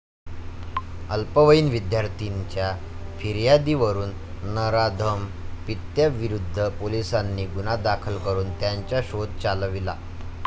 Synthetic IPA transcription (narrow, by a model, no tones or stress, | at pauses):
əlpəʋəiːnʋid̪jaɾt̪ʰiɲt͡ɕja | fʰiɾjad̪iʋəɾuːnː | əɾad̪ʱəmpit̪jəʋiɾud̪ʱːəpolisanːiːɡunad̪akʰəlkəɾuːnt̪jaɲt͡ɕjaɕod̪̚t͡salʋila̰